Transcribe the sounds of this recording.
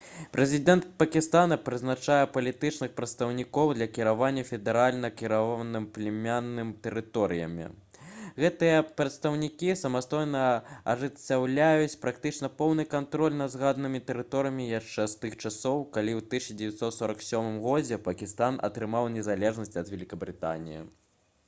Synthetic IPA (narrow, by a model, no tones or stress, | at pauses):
pɾʔɛzʲid̪ɛnt̪̚pɐkʲist̪anɐpɾɨznat͡ʂajɛpɐlʲit̪ɨt͡ʂnɨxpɾɐt̪st̪ɐwnʲikɔwd̪lʲɐkʲiɾavanʲːɐfʲɛd̪ɛɾalʲnɐkʲiɾavɔnɨmplʲɛmʲanːɨmt̪ɛɾɨt̪ɔɾɨjɐ̰mʲḭ | ɣɛt̪ɨjɐpɾɐt̪st̪ɐwnʲikʲisɐmast̪ɔjnɐɐ̰ʐɨt͡sʲːawlʲajut͡sʲpɾak̚t̪ɨt͡ʂnɐpɔwnɨkant̪ɾɔlʲnɐzɣad̪nɨmʲit̪ɛɾɨt̪ɔɾɨjɐmʲijaʂt͡ʂɛst̪ɨxt͡ʂasɔwkalʲiwt̪ɨɕɐd͡zʲɛvʲɛt̪sɔt̪sɔɾɐksʲɔmɨmɣɔd͡zʲɛpɐkʲist̪anɐ̰t̪ɾɨmawnʲɛzalʲɛʐnɐsʲt͡sʲɐd̪vʲɛlʲikɐbɾɨt̪a̰nʲḭjḭ